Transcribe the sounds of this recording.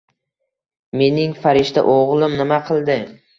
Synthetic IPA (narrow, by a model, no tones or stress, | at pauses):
me̞nɪŋfaɾɪʃt̪a̰ʔoʁlˠɪmnɪmaqʰɨlˠd̪ɪ